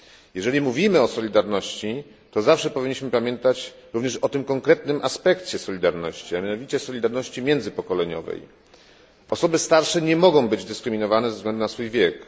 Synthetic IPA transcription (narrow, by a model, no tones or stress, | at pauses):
jɛʐɛlʲimuvʲimɘɔsɔlʲid̪aɾnɔɕt͡ɕi | t̪ɔzafʂɛpɔvʲiɲːiɕmɘpamʲjɛnt̪at͡ɕ | ɾuvɲɛʂɔt̪ɘmkɔŋkɾɛt̪nɘmʔaspɛkt͡ɕɛsɔlʲid̪aɾnɔɕt͡ɕiamʲjanɔvʲit͡ɕɛsɔlʲid̪aɾnɔɕt͡ɕimʲjɛnd̪zɘpɔkɔlɛɲɔ̰vɛ̰j | ʔɔsɔbɘst̪aɾʂɛɲɛmɔɡɔ̃w̃bɘd͡ʑd̪ɘskɾɘmʲinɔvanɛzɛvzɡlɛnd̪unasfujvʲjɛk